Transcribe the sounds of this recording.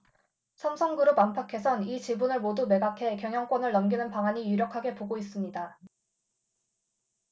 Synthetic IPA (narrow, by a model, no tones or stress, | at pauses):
sʰʌmsʰʌŋɡɯɾopampʰakʰe̞sʰʌnit͡ɕibunɯɭmodume̞ɡakʰe̞kjʌŋɦjʌŋk͈wʌnɯɭːʌmɡinɯnpaŋaɲijuɾjʌkʰaɡe̞poɡois͈ɯmɲida